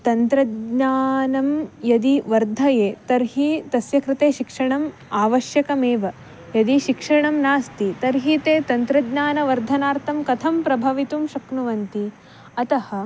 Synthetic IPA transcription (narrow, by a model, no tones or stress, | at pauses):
t̪ɐnt̪ɾɐdɲaːnɐmjɐd̪iʋɐɾd̪ʱɐjeːt̪ɐɾɦit̪ɐsjɐkɾɪt̪eːʃikʂɐɳɐm | aːʋɐʃjɐkɐmeːʋɐ | jɐd̪iʃikʂɐɳɐmnaːst̪it̪ɐɾɦit̪eːt̪ɐnt̪ɾɐd̪ɲaːnɐʋɐɾd̪ʱɐnaːɾt̪ʰɐmkɐt̪ʰɐmpɾɐbʱɐʋit̪umʃɐknuʋɐnt̪i | ɐt̪ɐhɐ̆